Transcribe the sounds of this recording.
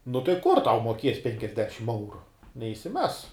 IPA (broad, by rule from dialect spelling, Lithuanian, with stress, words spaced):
nʊ tɐɪ ˈkʊr tɐʊ muɔˈkʲiɛs ˈpʲɛŋʲkʲɛzʲdʲɛʃʲɪm ˈɛʊrʊ nʲɛɪʃʲsʲɪˈmʲɛs